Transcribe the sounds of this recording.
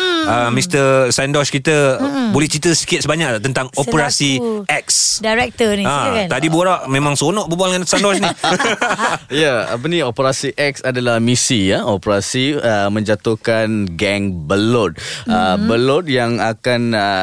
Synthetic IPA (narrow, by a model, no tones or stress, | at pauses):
əmist̪əsandɔskit̪əbolɛht͡ʃit̪əsə̥kiɪt̪̚səbaɲakt̪ənt̪aŋopəɾasiɛksdaɾɛk̚t̪əniaadiboɾaʔmẽmãŋsonɔ̃ʔbəbualŋansandɔsni | jaa̰p̬əniopəɾasiʔɛk̚sadalahmisijaopəɾasiəmə̃ɲd͡ʒat̪ohkanɡɛŋbəlɔt̪̚əbəlot̪̚jaŋakanə